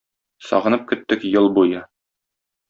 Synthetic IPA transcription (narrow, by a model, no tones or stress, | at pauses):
sɒ̰ʁɤ̆nɤp̚kɵ̆t̪ːɘkjɤlˠbujɤ